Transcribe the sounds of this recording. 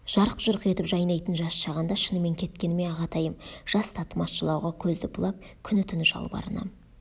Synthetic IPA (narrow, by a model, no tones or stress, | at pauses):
ʒ̥ɑɾəqʒ̥ʊɾqe̞t̪ɪpʒɑjnɑjt̪ənʒɑsʃɑʁɑnd̪ɑʃənəme̞ŋkʲʰe̞t̪kʲe̞nɪme̞ɑʁɑt̪ʰɑjəmʒ̥ɑst̪ʰɑt̪əmɑsʃəlˠɑwʁɑkʲʰɵzd̪ɪbʊlˠɑp̚kʲʰʏnɪt̪ʰʏnɪʒɑ̰lˠbɑ̰ɾənɑ̰